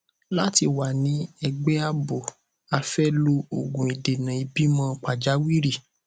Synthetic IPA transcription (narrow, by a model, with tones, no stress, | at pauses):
la˦ti˧wa˨nĩ˨˦ɛ˧ɡ͡bɛ˦a˦bo˨ | a˧fɛ˦lo˧o˨ɡũ˨i˨de˨nã˨i˧bi˨˦mã˧˦k͡pa˨d͡ʒa˨˦wi˦ɾi˦˨